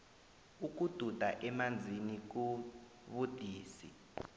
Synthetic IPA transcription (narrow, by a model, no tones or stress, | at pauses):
uk̬ud̥ʱud̥ʱaʔɛmand͡zʱinik̬u | βud̥ʱiːsi